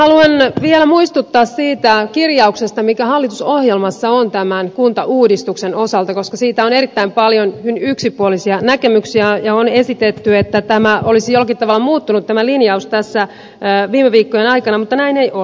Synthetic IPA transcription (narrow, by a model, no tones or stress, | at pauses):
hɑluenʋiɛlæmuist̪ut̪ːɑːssiːt̪ækirjɑuksest̪ɑmikæhɑlːit̪usohjelmɑsːɑont̪æmænkunt̪ɑʔuːdist̪uksenosɑlt̪ɑkoskɑsiːt̪æoneɾit̪ːæimpɑljonhynyksipuolisiɑnækemyksiæjɑonesit̪et̪ːyet̪ːæt̪æmæʔolisijolːɑkit̪t̪ɑʋɑlːɑmuːt̪ːunut̪t̪æmælinjɑust̪æsːæ | ʋiːmeʋiːkːojenɑikɑnɑmut̪ːɑnæineiʔol